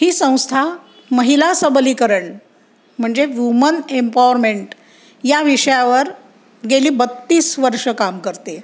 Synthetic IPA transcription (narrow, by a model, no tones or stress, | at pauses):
ɦiːsə̃w̃st̪ʰa | məɦilasəbliːkəɾəɳ | m̤əɳd͡zeʋjumənempaʋəɾmeɳʈ | jaʋiʂəjaʋəɾ | ɡeliːbət̪ːiːsʋəɾʂəkamkəɾt̪e